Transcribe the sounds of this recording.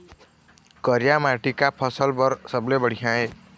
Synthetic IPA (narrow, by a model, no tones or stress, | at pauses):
kʌɾjamaʈikapʰʌsəlbʌɾsʌblebəɽ̤ijãe